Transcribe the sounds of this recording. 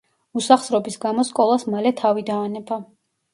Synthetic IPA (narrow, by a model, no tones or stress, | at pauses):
usaχsɾɔbisɡamɔskʼɔlˠasmalɛt̪ʰavid̪aːnɛba